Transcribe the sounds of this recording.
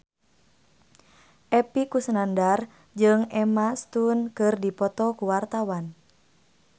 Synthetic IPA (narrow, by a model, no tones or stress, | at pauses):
ʔɛpikusənandar | d͡ʒɨŋɛmast̪unkɨrdipɔt̪ɔkuwart̪awan